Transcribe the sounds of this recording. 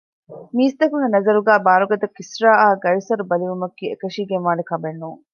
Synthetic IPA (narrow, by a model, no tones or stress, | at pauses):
miːst̪ɐkuŋɡenɐzɐɾuɡæːbaːɾuɡɐd̪ɐkːisɾaːaːɡɐɻisɐɾubɐliʋumɐkːiːekɐʂiːɡenʋaːnekɐbenːuːŋ